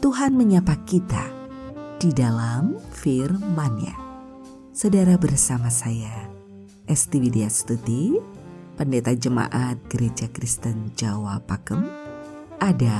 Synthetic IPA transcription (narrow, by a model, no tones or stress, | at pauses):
t̪uɦanməɲapakit̪a̰ | d̥idalamfirmanja̰ | sodaɾabərsamasaja | ʔɛst̪iwideast̪ut̪i | pəndet̪ad͡ʒəma̰ʔat̪̚ɡ̥əɾed͡ʒakɾist̪ənd͡ʒawapakəm | ʔada